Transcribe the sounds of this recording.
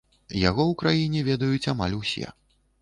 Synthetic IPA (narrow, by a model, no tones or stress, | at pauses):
ja̰ɣɔwkɾajinʲɛvʲɛd̪ɐjut͡sʲama̰lʲusʲɛ̰